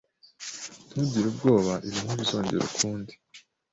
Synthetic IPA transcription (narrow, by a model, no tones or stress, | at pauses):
n̥huɟiɾubɡo̞ːβaʔiɾimuβizo̞ːɲɟe̞̰ɾo̰kʰuːndi